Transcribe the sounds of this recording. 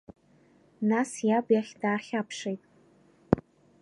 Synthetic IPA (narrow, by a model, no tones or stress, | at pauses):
nasjabjaχʲdaːχʲapʰʂejtʼ